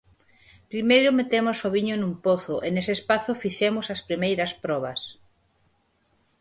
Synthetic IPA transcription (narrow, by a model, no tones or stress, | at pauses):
pɾimejɾʊmet̪emʊsoβiɲonumpoθʊʔenesespaθʊfiʃɛmʊsɐspɾimejɾɐspɾɔβ̞ɐs